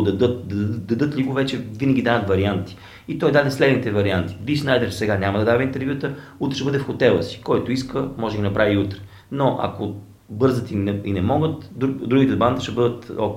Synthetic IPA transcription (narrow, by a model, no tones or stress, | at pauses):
d̪ɐd̪ɤt̪d̪d̪ɐd̪ɤt̪lʲiɡʊvɛt͡ʃɛvinəɡʲid̪anət̪vɐɾiant̪i̥ | it̪ɔjd̪ad̪ɛslɛd̪nit̪ɛvɐɾiant̪i̥viʃnajd̪ɛɾsɛɡanʲamɐd̪ɐd̪avɛint̪ɛɾvjut̪əut̪ɾɛʃɛbɤd̪ɛfxot̪ɛlˠəsi̥kɔjt̪oiskəmɔʒɛɡinɐpɾʔaviut̪ɾɛ̥ | noʔɐ̰ko | bɤɾzət̪inɛinɛmɔɡət̪ːud̪ɾuɡʲit̪ɛband̪əʃt̪ɛbɤd̪ət̪ɔ